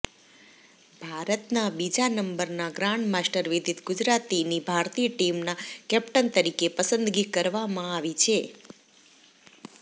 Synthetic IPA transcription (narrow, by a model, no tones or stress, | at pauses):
b̥ʱaɾət̪nabid͡ʒanəmbəɾnaɡɾãɳɖmasʈəɾʋid̪ʱit̪ɡud͡ʒɾat̪inibʱaɾt̪ijəʈimnakɛp̚ʈənt̪əɾikepəsənd̪ɡikəɾʋamãaʋit͡ʃʰe